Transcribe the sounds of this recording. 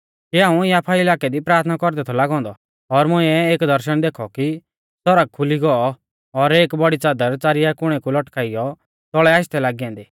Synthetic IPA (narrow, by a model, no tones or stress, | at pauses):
kiaːũjaːpʰaiɪlaːkɛd̪ipɾaːɾt̪ʰnakɔɾd̪ɛt̪ʰɔlaːɡɔ̃ːnd̪ɔ | ɔɾmʊĩɛeːkd̪ʱɐɾʃəɽ̃d̪eːkʰɔki | sɔɾək̚kʰːʊliɡɔɔ | ɔɾeːkbɔɽit͡saːd̪əɾt͡saːɾɪjakʊɽ̃ɛkulɔʈkaːɪjɔ | t̪ɔɭɛaːɪst̪ɛlaːɡiãːnd̪iː